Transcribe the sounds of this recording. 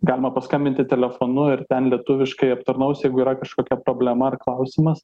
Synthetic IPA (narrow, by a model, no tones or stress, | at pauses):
ɡɑːlʲɪmɐpɐskɐmʲbʲɪnʲt̪ʲɪt̪ʲɛlʲɛfoːnʊɪrt̪ʲɛnlʲiɛt̪ʊʋʲɪʃkɐɪɐpt̪ɐɾnɐʊsʲjɛɪɡʊiːɾɐkɐʃkoːkʲɛpɾoːbʲlʲɛmɐɐrklˠɐʊsʲɪmɐs